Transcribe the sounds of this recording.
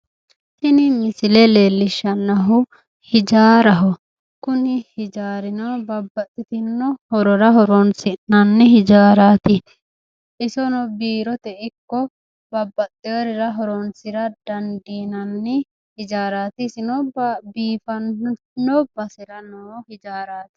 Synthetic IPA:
hɪnɪmɪsɪlɛle̞ːlːɪʃːɐnːɐɦʊ | hɪd͡ʒaːɾɐɦɔ | kʊnɪhɪd͡ʒaːɾɪnɔbɐbːɐt̪ʼːɪt̪ɪnːɔhɔɾɔɾɐɦɔɾɔnsɪnnɐnːɪhɪd͡ʒaːɾaːt̪ɪ | ʔɪsɔnɔbiːɾɔt̪ɛʔɪkːɔ | bɐbːɐt̪ʼːɪɐɾɪɾɐɦɔɾɔnsɪɾɐd̪ɐnd̪iːnɐnːɪ | hɪd͡ʒaːɾaːt̪ɪsɪnɔbiːfɐn | nːɔbɐsɪɾɐnɔhɪd͡ʒaːɾaːt̪ɪ̥

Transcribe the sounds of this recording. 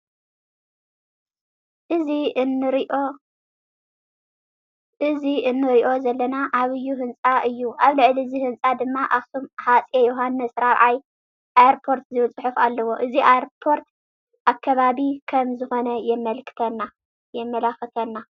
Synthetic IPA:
ʔɨziɨnɨɾʔo | ʔɨziɨnːɨɾiʔo̞zɐlːɐnaʔaβɨjːuɦɨnt͡sʼaʔɨjːuʔaβlɨʕliɨzihɨnt͡sʼad̪ɨmːaʔaxsumħat͡sʼjejoɦanːɐsɾaβʕaj | ʔajaɾpʰo̞ɾt̪zɨβt͡sʼħufalːɐwo̞ʔɨziʔajɾpʰo̞ɾt̪ | ʔakʰːɐβaβikʰɐmzɨxo̞nɐjɛmːɐlkʰɨ̥t̪ʰɐnːa | jɛmːɐlaxɨt̪ʰɐnːa

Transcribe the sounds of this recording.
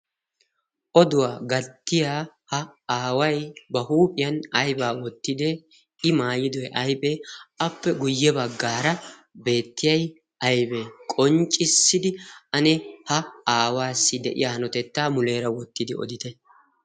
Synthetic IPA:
ʔɔd̪ʊwaːɡɐt̪ːɪjaː | hɐaːwɐjbɐhuːpʼɪjɐnɐjbaːwɔt̪ːɪd̪e | ɪmaːjɪd̪ɔjɛʔɐjbʼeːʔɐpːɛɡʊjːɛbɐɡːaːɾɐ | be̞ːt̪ːɪjɐj | ʔɐjbɛkʼɔnt͡ʃʼːɪsːɪd̪ɪʔɐnɛhɐaːwaːsːɪd̪ɛ̰ʔɪ̰jaːhɐnɔt̪ɛt̪ːaːmʊle̞ːɾɐwɔt̪ːɪd̪ɪɔ̰d̪ɪt̪ɛ

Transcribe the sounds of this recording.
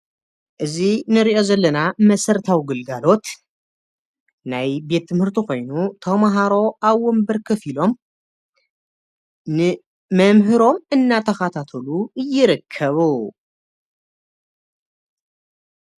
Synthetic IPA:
ʔɨzinɨɾiʔo̞zɐlːɐnamɐsɐɾt̪ʰawiɡɨlɡalo̞t̪ | najbe̞t̪ʰːɨmhɨɾt̪ʰiko̞jnut̪ʰɐmaɦaɾo̞ʔaβwɔmbɐɾkʰɐfilo̞m | n | mɐmɦɨɾo̞mɨnːat̪ʰɐxat̪ʰat̪ʰɐluɨjːɪɾɨkʰːɐβu

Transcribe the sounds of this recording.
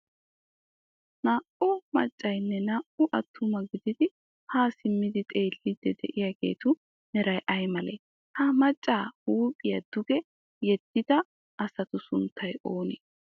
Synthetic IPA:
naːʔʊmɐ̰t͡ʃʼːɐjnːɛnaːʔʊʔɐt̪ʰːʊmɐɡɪd̪ɪd̪ɪ | haːsɪmːɪd̪ɪt̪ʼe̞ːlːɪd̪ɛd̪ɛ̰ʔɪjaɡe̞̰ːt̪ʊ | nɛɾɐjʔɐjmɐlḛː | hɐmɐt͡ʃʼːaːhuːpʼɪjɐd̪̥ʊɡɛ | jɛd̪̥ːɪd̪ɐ | ʔɐsɐt̪ʊsʊnt̪ʰːɐjʔoːnḛː

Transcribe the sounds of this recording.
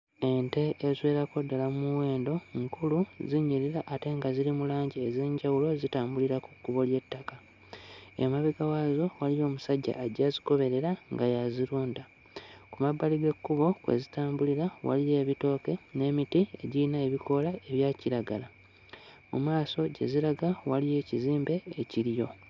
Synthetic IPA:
e̞nte̞ʔːzwe̞ːɾako̞dːalamuwe̞ːndo̞ŋkuluziɲiɾiɾaʔːte̞ŋɡaziɾimulaːɲɟiezeːɲɟawulo̞zitaːmbuliɾakukːuβo̞lje̞tːaka | emaβiɡawazo̞walijo̞ːmusaɟːa̰ʔːɟaziko̞βe̞ɾe̞ɾaŋɡajaziɾuːnda | kumabːaliɡe̞kːuβo̞kwḛzitaːmbuliɾawa̰lije̞ːβito̞ːke̞ne̞ːmitie̞̰ɟiinaeβikʰo̞lae̞βjaːciɾaɡala | mṵmaːso̞ɟe̞̰ziɾaɡawalije̞ːciziːmbe̞ːciɾijo̞

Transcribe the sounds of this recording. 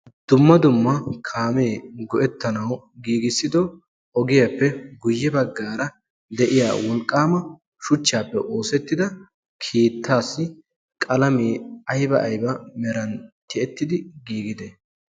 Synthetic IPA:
d̪̥ʊmːɐd̪ʊmːɐkʰaːmeːɡɔʔɛt̪ːɐnɐw | ɡiːɡɪsːɪd̪ɔ | ɔɡɪjɐpːɛɡʊjːɛbɐɡːaːɾɐ | d̪ɛʔɪja̰ːwɔlkʼːaːmɐ | ʃʊt͡ʃːaːpːɛʔo̞ːsɛt̪ːɪd̪ɐ | kʰiːt̪ːaːsːɪ | kʼɐlɐmeːɐjbɐʔɐjbɐmɛɾɐnt̪ɪɛt̪ːɪd̪ɪɡiːɡɪd̪ɛ

